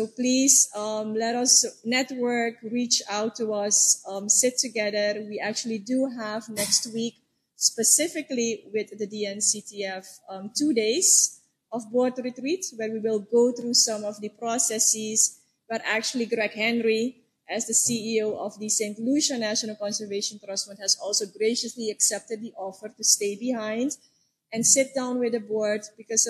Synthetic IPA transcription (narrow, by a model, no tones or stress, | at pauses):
soʊplizʌmlɛɾʌsnɛtwə˞kɹit͡ʃaʊtʰːuʌsʌmsɪtʰɨɡɛðəɹwiʔæk̚t͡ʃulˠiduɦəvnɛkst̚wik | spəsɪfɪkliwɪθðədiɛ̃nsitʰiɛfʌmtudeɪz | ɔfbɔɹdɹitɹitwɛɹwiwɪlˠɡoʊθɹusʌ̃mɔfdəpɹɔsɛsɪz | wɛɹʔæk̚t͡ʃul̩ˠiɡɹɛkɦɛ̃nɹi | ʔɛzdəsiioʊʔɔfdisẽɪ̃ntluʃənæʃənəlˠkɔ̃nsəɹveʃə̃ntɹʌsmə̃nthɛzɔlˠsoʊɡɹeɪʃəsliɛksɛp̚təd̚ðiʔɔfəɹtusteɪbihãɪ̃nd | ɛ̃nsɪt̚d̥ãʊ̃nwɪðəbɔɹd̚bikɔz